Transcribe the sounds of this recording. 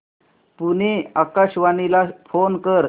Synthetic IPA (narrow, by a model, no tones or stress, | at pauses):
puneakaɕʋanilafonkəɾ